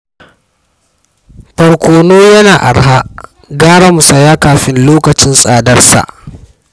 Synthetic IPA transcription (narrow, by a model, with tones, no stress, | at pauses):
ɸɐ˨ɽkʷoː˨noː˦jɐ˦naː˨ʔa̰˨ɽɦa˦ʔ | ɡaː˦ɽɐ˦mʊ˨sɐ˨jaː˦kaː˨ɸɪ˦nloː˦kɐ˨t͡ʃɪ˦nsʼaː˨dɐ˦rsa̰˨ʔ